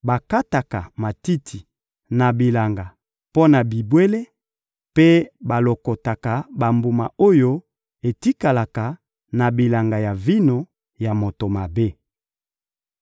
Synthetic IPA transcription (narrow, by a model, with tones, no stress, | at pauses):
ba˨ka˦ta˨ka˨ma˨ti˦tʰi˨ | na˨bi˨la˨ŋɡa˨ | po˦na˨bi˨bwe˦le˦ | pe˦ba˨lo˨ko˨ta˨ka˨ba˨mbu˨ma˨o˦jo˦ | e˨ti˦ka˨la˨ka˨ | na˨bi˨la˨ŋɡa˨ja˨vi˦no˨ | ja˨mo˨to˨ma˨be˦